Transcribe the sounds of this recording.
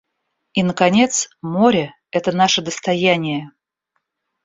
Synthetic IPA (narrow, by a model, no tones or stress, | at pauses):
inəkɐnʲe̞t̪smoɾʲə | ɛt̪ənaʂəd̪əst̪ɐjænʲɪjə